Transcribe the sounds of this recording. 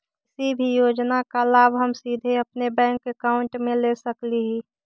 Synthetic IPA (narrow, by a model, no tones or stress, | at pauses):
ɪsibʱijoːd͡ʒnakalaːbɦəmsiːd̪ʱeəpnebɛ̃ːŋkːekaːʊɳʈmẽlesəkliɦiː